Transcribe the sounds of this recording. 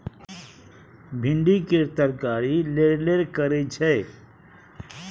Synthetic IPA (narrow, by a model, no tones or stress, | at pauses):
bʱɪɳɖikeɾt̪əɾkaːɾileɾleɾkəɾet͡ʃʰɛː